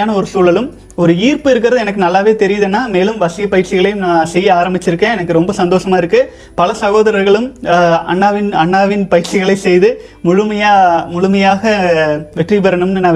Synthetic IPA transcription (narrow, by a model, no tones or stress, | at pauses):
aːnɐɔɾɯsuːɭɐlɯm | ɔɾɯiːrpɯɪɾɯk̬ːɪɾɐðɯɛnɐk̬ːɯnɐlːaːʋeːt̪ɛɾɪjɐðenːaːmeːlɯmʋɐsɪjɐpːɐjɪɾt͡ʃːɪɣɐɭɐjɯmnaːsɛjːɯaːɾɐmbɪt͡ʃːɪɾɯkːẽːɛnɐkːɯɾɔmbɐsɐnd̪oːʂɐmaːɪɾɯkːɯ | pɐlɐsɐɣoːðɐɾɐɾɣɐɭɯmɐ̰nːaːʋɪnɐɳːaːʋɪnpɐjɪɾt͡ʃɪɣɐɭɐɪsɛjðɯ | mʊɻɯmɐjaːmʊɻʊmɐjaːɣɐʋɛʈripɐɾɐnɯmnːɯnaː